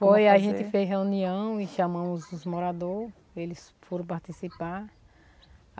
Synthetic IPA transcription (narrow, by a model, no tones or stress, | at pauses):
fojaʒẽnt̪ɪfezɦeuniɐ̃w̃iʃamɐ̃mʊzʊzmoɾad̪o | elɪs | foɾɐ̃w̃paɾt̪isipaɾ